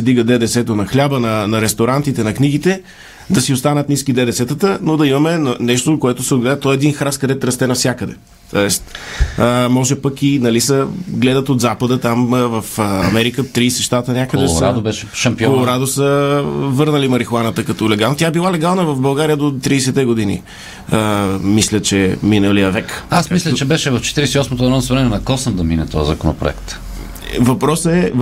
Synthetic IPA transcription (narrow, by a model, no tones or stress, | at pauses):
sɛd̪iɡəd̪ɛd̪ɛsɛt̪ənɐxlʲabənɐnɐɾɛst̪oɾant̪it̪ɛnɐkniɡit̪ɛ | d̪ɐsiost̪anət̪niskid̪ɛd̪ɛsɛt̪ət̪ənod̪ɐimɐmɛnɐnɛʃt̪okoɛt̪ʊsɛod̪ɡlɛd̪ət̪ɔɛd̪inxɾaskɐd̪ɛt̪ɾɐst̪ɛnɐfsʲjakəd̪ɛ̰ | t̪oɛst̪əmɔʒɛpəkinɐlisəɡlɛd̪ət̪ot̪zapəd̪ət̪amvɐfɐ̰mɛɾikət̪ɾiːsɛʃt̪at̪ənʲjakəd̪ɛsɾad̪obɛʃɛʃɐmpiɔolˠoɾad̪osəvɤɾnəlimɐɾixlˠanət̪əkɐt̪ɔlɛɡalˠnt̪ʲjaɛbilˠalɛɡalˠnəvɐvbɐlˠɡaɾijəd̪ot̪ɾiːsɛt̪ɛɡod̪inḭ | əmislʲət͡ʃɛminəlijəvɛkasmislʲət͡ʃɛbɛʃɛvɐft͡ʃɛ̥t̪iɾɛsɛiɔsmot̪onɔnsvɾɛnɛnɐkɔsəmd̪ɐminɛt̪ɔjəzɐkono̰pɾo̰ɛ̰kt̪ | vɐpɾɔsəɛ